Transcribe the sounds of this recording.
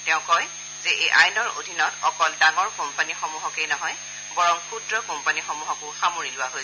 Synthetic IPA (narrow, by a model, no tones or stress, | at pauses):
tɛʊ̃kɔj | zɛʔejʔajnɔɹo̰dʱinɔtɔkɔldaŋɔɹkɔmpanixomuɦɔkejnɔɦɔj | bɔɹɔmkʰudɹɔkɔmpanixɔmuɦɔkʊsamoɹilʊwaɦoj